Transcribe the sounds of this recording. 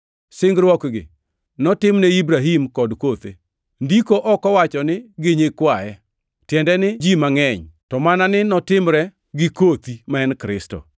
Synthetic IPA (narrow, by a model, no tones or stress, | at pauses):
sɪŋɡɾwɔkɡɪ̰ | nɔtɪmnɛibɾaɦimkɔdkot̪ḛ | ndikoʔɔkɔwat͡ʃɔnɪɡeɲekwajɛ | tjɛndɛnɪd͡ʒimaŋɛɲtɔmananɪnɔtɪmɾɛ | ɡɪkot̪imaɛnkɾɪstɔ̰